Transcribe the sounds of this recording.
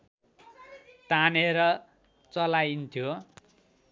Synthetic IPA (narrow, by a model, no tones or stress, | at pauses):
t̪aneɾʌ | t͡sʌlajnt̪ʰjo